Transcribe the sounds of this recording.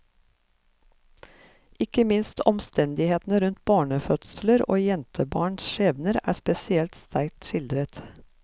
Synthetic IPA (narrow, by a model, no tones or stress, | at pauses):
ɪkəmɪnst̪ʰɔmst̪ɛnd̪ɪheːt̪n̩əɾʉnt̪̚bɑːɳəfœt̪sləɾo̰ːjɛnt̪ʰəbɑːɳsʃeːʋnəɾæ̰ːspɛsɪɛlt̪st̪ʰæɾk̚t̪ʃɪld̪ɾət̪